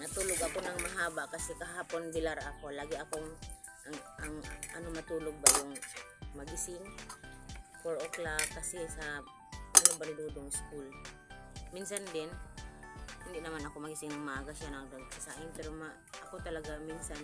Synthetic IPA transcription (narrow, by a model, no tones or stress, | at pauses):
nɐt̪uːloɡɐkonɐŋmɐɦaːbaʔkɐsɛkɐɦaːponbɪlaɾakolaːɡɪɐkoŋʔaŋaŋʔɐ̰nomɐt̪uːloɡ̚bajʊŋmɐɡɪsɪŋ | koɾʔoklakɐsɛsɐ | anobanɪd̪uːd̪oŋɪskul | minsand̪ɪn | hɪnd̪ɪʔnɐmanɐko̞mɐɡɪsɪŋnaŋmaɡaʃanaŋd̪onkasaʔɪnpɛɾoma | ʔɐkot̪ɐlaɡaminsan